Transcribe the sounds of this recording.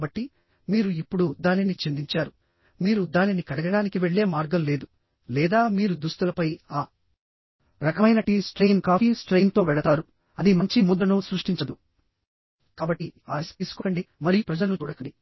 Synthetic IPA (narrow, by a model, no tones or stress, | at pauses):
bɐʈːi | miːɾuipːuɽud̪aːninit͡ʃe̞nd̪iɲt͡ʃaːɾu | miːɾud̪aːninikɐɽɐɡɐɽaːnikiʋe̞ɭːe̞ːmaːɾɡɐmle̞ːd̪u | lɛːd̪aːmiːɾud̪ust̪ulɐpɐjaː | ɾɐkɐmɐjnɐʈisʈɾejnkaːfiːsʈɾejnt̪o̞ːʋɛɭɐt̪aːɾu | ɐd̪imɐɲt͡ʃimud̪ɐnusɾuʂʈiɲt͡ʃɐd̪u | kaːbɐʈːiaːst̪iːsu̥koɐɳɖimɐɾijupɾɐd͡ʒɐlut͡ʃuːɽɐkɐɳɖi